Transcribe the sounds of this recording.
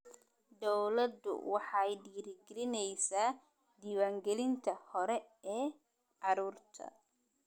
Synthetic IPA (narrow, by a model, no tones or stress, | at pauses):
d̪ɔwlɐd̪ʊ̰wɑħɑjɖiːɾɪɡɛlɪnɛjsaː | d̪iːwaːŋɡɛlɪnt̪ʰɐhɔɾɛɛː | ɑɾuːrt̪ʰɐ̰